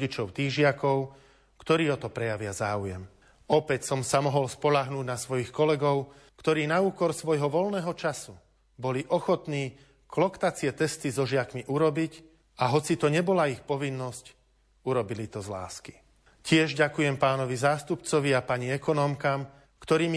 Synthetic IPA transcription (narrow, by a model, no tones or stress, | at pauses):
ɟit͡ʃɔʊt̪iːɣʒɪakɔʊ | kt̪ɔɾiːɔt̪ɔpɾɛjaʋɪazaːujɛm | ɔpɛcsɔmsamɔɦɔlspɔʎaɦnuːɟnasʋɔjixkɔlɛɡɔʊ | kt̪ɔɾiːnauːkɔɾsʋɔjɦɔʋɔlnɛːɦɔt͡ʃasu | bɔliʔɔxɔt̪niː | klɔkt̪at͡sɪɛt̪ɛst̪izɔʒɪakmiʔuɾɔbic | aɦɔt͡sit̪ɔɲɛbɔlaixpɔʋinːɔsc | uɾɔbilit̪ɔzla̰ːski̥ | cɪɛʒɟakujɛmpaːnɔʋizaːst̪upt͡sɔʋiapaɲiɛkɔnɔːmkaːm | kt̪ɔɾiːm